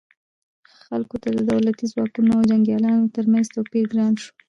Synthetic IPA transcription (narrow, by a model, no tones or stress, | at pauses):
xalkot̪ad̪əd̪awlat̪izwɑkunoawd͡ʒaŋɡjɑlɑnot̪əɾmanz̥t̪awpiɾɡɾɑnʃo̥